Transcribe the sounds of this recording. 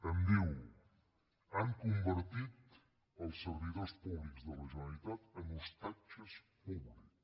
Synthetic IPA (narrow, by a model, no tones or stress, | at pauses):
ənd̪iw | aŋkumbəɾt̪it̪ | əlˠsəɾβiðospuβlikzd̪ələʒənalit̪at̪ənust̪at͡ʃəspuβlik